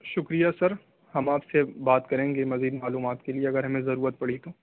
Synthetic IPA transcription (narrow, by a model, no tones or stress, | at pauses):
ʃʊkɾijasɐɾ | hɐmaːpsebaːt̪kɐɾẽːŋɡemɐziːd̪maːluːmaːt̪kelieɐɡəɾɦɐmẽzɐɾuːɾət̪̚pɐɽit̪o